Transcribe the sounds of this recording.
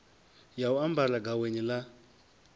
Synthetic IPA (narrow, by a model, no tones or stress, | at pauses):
jauambalaɡaweɲila